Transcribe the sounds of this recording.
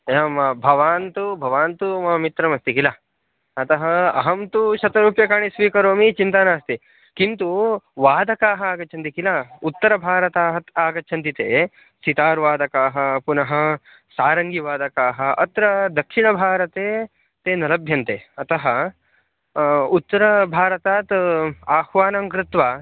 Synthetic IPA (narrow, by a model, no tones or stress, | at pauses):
eɐmɐbʱɐʋaːnt̪ubʱɐʋaːnt̪umɐɐmit̪ɾɐmɐst̪ikila | ɐt̪ɐɦɐɐ̰ɦɐmt̪uʃɐt̪ɐɾuːpjɐkaːɳisʋiːkɐɾoːmit͡ʃint̪anaːst̪i | kint̪uʋaːd̪ʱɐkaːɦɐaːɡɐt͡ʃʰɐnt̪̬ikilaut̪ːɐɾɐbʱaːɾɐt̪aːɦɐaːɡɐːt͡ʃʰɐnt̪it̪ḛː | sit̪aːɾʋaːd̪ɐkaːɦɐ̆punɐɦɐ̆ | saːɾɐŋɡiʋaːd̪ɐkaːɦɐ̆ʔɐ̰t̪ɾɐd̪ɐkʂiɳɐbʱaːɾɐt̪eː | t̪eːnɐlɐbʱjɐnt̪eːɐt̪ɐɦɐ | ut̪ːɐɾɐbʱaːɾɐt̪aːt̪aːhʋaːnɐmkɾɪt̪ʋaː